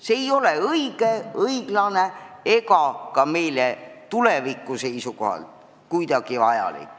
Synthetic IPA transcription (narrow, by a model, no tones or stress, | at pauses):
se̞ːjo̞leɤiɡ̥e̞ɤiɡ̥lɑne̞e̞ɡɑkɑme̞jlet̪ulevikːˑuse̞jsuko̞hɑ̰lt̪ | kujd̪̥ɑɡ̥ivɑjɑ̰lḭkːˑ